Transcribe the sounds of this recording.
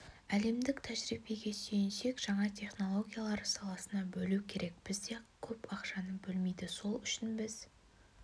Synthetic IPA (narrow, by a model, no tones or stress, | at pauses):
æle̞md̪ɪkt̪ʰæʒɾibe̞ɡʲe̞ʃe̞jɪnʃe̞kʒ̥ɑɴɑt̪ʲʰe̞χno̞lˠo̞ɡʲijalˠɑɾsɑlˠɑsənɑbɵlukʲʰe̞ɾʔe̞k̚b̥ɪzd̪e̞kʲʰɵpɑqʃɑnəbɵlmejd̪ɪso̞lˠʏʃɪnbɪz̥